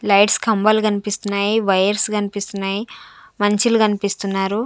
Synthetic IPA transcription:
lɐjʈskɐmbɐlukɐnipist̪unːaːjiʋɐjɐɾskɐnipist̪unːaːjimɐɲt͡ʃilukɐnipist̪unːaːɾu

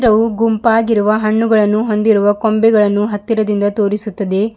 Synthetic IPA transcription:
ɾɐʋuɡumpaːɡiɾuʋɐɦɐɳːuɡɐɭɐnːuɦo̞nd̪iɾuʋɐkombɛɡɐɭɐnːuɦɐt̪ːiɾɐd̪ind̪ɐt̪o̞ːɾisut̪ːɐd̪e̞

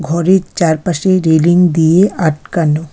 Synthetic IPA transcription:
ɡʱɔɾeɾt͡ɕaɾpaʃeɾeliŋd̪ijeaʈ̚kano

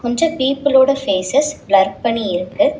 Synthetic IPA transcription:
kɔɲd͡ʒɐ̃piːpːɯloːɽɐfeːsɛsblɐɾ̚pɐɳːiɪɾɯkːɯ

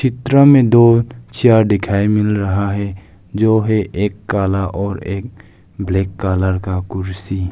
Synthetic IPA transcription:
t͡ʃʰɪt̪ɾəmẽd̪ot͡ʃijaɾɖ̪ɪkʰaːimɪlɾɐɦaɦɛ | d͡ʒoːɦɛʔeːkːaːlaʔɔːɾeːk̚ | blekːaːləɾkakʊɾsi

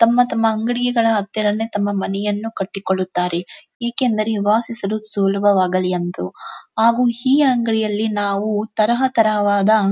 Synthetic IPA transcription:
t̪ɐmːɐt̪ɐmːɐːŋɡɐɽijɐɡɐɭɐɦɐt̪ːjɐɽɐnːet̪ɐmːɐmɐnɛjɐnːukɐʈːikoɭːut̪ːaːɾe̞ | eːkend̪ɐɾeʋaːsisɐlusuːlɐbʱɐʋaːɡɐlijɐnt̪uɦaːɡuːiːɐŋɡɐɭijɐlːinaːʋut̪ɐɾɐɦɐt̪ɐɾɐɐʋaːd̪ɐ

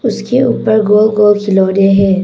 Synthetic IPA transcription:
ʊskeuːpəɾɡoːlɡoːlkʰɪloːɾaɦɛ̃ː

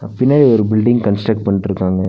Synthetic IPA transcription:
pɪnːaːɾiɔɾɯbɪlɖɪ̃ŋɡkɐnsʈɾɐk̚ʈ̚pɐɳːʈːɪɾɯkːaːŋɡɐ

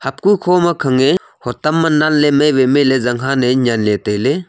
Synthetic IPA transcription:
hɐp̚kukʰoːmɐkʰɐŋe | hot̪ɐmːɐnːanlemeʋemelezɐŋɡʰãneɲanleːt̪ele

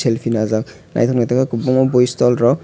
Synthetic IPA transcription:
selpʰinazaw | na̰jt̪ʰɔnɡɛt̪ɛkɔkubɔŋɔbojst̪ɔlɹɔ

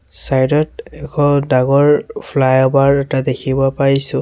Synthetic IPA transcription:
sajdɔtɛkʰɔdaɡɔɹpʰlajɔbaɹɛtadekʰibɔpaɹisʊ̃

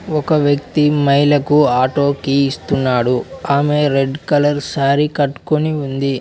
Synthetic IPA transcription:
ɔkɐʋjɐk̚t̪imɐjlɐkuaːʈo̞ːkiːst̪unːaːɽuaːme̞ɾe̞ɖkɐlɐɾsaːɾikɐʈːu̥koniund̪i

